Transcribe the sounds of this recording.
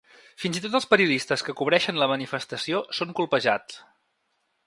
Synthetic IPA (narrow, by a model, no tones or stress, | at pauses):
finzit̪ot̪əlˠspəɾiuðist̪əskəkuβ̞ɾɛʃənləmənifəst̪əsiosoŋkulˠpəʒat͡s